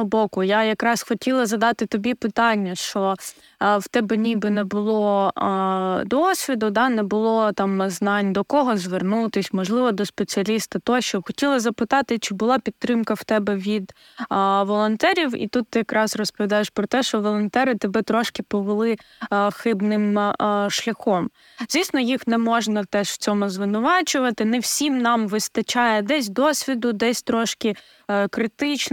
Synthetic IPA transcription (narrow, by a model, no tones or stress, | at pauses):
ɔbɔkʊjajɐkɾɑsxɔtʲilˠɐzɐd̪ɑt̪ɪt̪ɔbʲipɪt̪ɑnʲːɐʃt͡ʃɔ | wt̪ɛbɛnʲibɪnɛbʊlˠɔ | d̪ɔsʲʋʲid̪ʊd̪ɑnɛbʊlˠɔt̪ɑmznɑnʲd̪ɔkɔɦɔzʋernut̪ɪsʲmɔʒlˠɪʋɔd̪ɔspet͡sʲiɐlʲist̪ɐt̪ɔʃt͡ʃɔbxɔtʲilˠɐzɐpɪt̪ɑt̪ɪt͡ʃɪbʊlˠɑpʲit̪ːɾɪmkɐwt̪ɛbɛʋʲid̪ | ʋɔlˠɔnt̪ɛɾʲiwḭt̪ut̪ːɪjɐkɾɑsrɔspɔd̪ɑjeʃpɾɔt̪ɛʃt͡ʃɔʋɔlˠɔnt̪ɛɾɪt̪ɐbɛt̪ɾɔʃkɪpɔʋelˠɪxɪbnɪmʃlʲɐxɔm | zʲʋʲisnɔjixnɛmɔʒnɐt̪ɛʃw̥t͡sʲɔmʊzʋɪnʊʋɑt͡ʃʊʋɐt̪ɪnɛwsʲimnɑmʋɪst̪ɐt͡ʃɑjɛd̪ɛsʲd̪ɔsʲʋʲid̪ʊd̪ɛsʲt̪ɾɔʃkɪ | kɾɪt̪ɪt͡ʃ